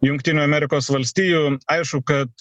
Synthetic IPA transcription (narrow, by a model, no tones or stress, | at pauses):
jʊŋkt̪ʲɪːnʲuːɐmʲɛɾʲɪkoːsʋɐlʲsʲt̪ʲiːjuːɐɪʃkʊkɐt̪